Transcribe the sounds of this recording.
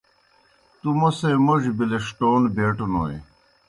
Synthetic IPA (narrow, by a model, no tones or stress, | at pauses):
t̪umosemoʑbileʂʈoːnbeːʈunoːj̰